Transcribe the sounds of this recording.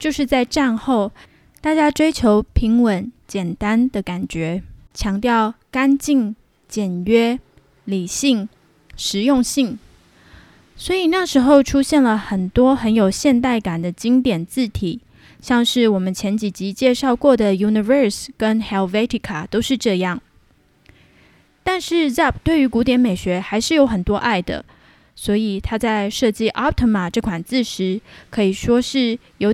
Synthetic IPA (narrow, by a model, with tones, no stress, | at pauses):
t͡ɕjo˥˧ʊʂɻ̩˥˧t͡sa˥˧ɪʈ͡ʂa˥˧nxo˥˩˧ʊ | t̪a˥˩t͡ɕja˥ʈ͡ʂwe˥ɪt͡ɕʰjo˧˥ʊpʰi˧˥ŋwə˧˥nt͡ɕjɛ˨˩nt̪a˥nd̪ə˨ka˨˩nt͡ɕɥɛ˧˥t͡ɕʰjɑ˧˥ŋt̪jɑ˥˩ʊka˥nt͡ɕi˥˩ŋ | t͡ɕjɛ˨˩nɥɛ˥ | li˨˩ɕi˥˩ŋ | ʂɻ̩˧˥jʊ˥˧ŋɕi˥˩ŋ | swɔ˧˥i˨˩na˥˩ʂɻ̩˧˥xo˥˧ʊʈ͡ʂʰu˥ɕjɛ˥˩nlə˩xə˨˩nt̪wɔ˥xə˧˦˥njo˨˩ʊɕjɛ˥˧nt̪a˥˩ɪka˨˩nd̪ə˦t͡ɕi˥ŋt̪jɛ˨˩nt͡sɹ̩˥˩t̪ʰi˨˩˦ | ɕjɑ˥˧ŋʂɻ̩˥˩wɔ˨˩mə˨˦nt͡ɕʰjɛ˧˥nt͡ɕi˨˩t͡ɕi˧˥t͡ɕjɛ˥˧ʂɑ˥˧ʊkwɔ˥˩d̪ə˩ju˧˥ni˧və˞˥˧skə˥nxɛ˧˥lvɛ˥t̪ʰi˧˥˩kʰa˨˩t̪o˥ʊʂɻ̩˥˧ʈ͡ʂɤ˥˧jɑ˥˩ŋ | t̪a˥˧nʂɻ̩˥˧za˥˩p̚t̪we˥˩ɪy˧˥ku˧˥t̪jɛ˧˥nme˨˩ɪɕɥɛ˧˥xa˧˥ɪʂɻ̩˥˩jo˧˥ʊxə˨˩nt̪wɔ˥ʔa˥˩ɪd̪ə̰˩ | swɔ˧˥i˨˩t̪ʰa˥t͡sa˥˧ɪʂɤ˥˧t͡ɕi˥˩ʔa˥t̪ʰɔ˥ma˨ʈ͡ʂɤ˥˩kʰwa˨˩nt͡sɹ̩˥˩ʂɻ̩˧˥kʰɤ˧˥i˨˩ʂwɔ˥ʂɻ̩˥˩ | jo˧